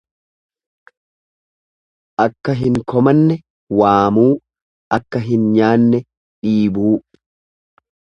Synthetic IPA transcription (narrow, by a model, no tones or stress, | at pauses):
ʔɐkːɐɦɪŋkɔmɐnːɛ | waːmuː | ʔɐkːɐɦɪnɲaːnːɛ | ᶑiːbuː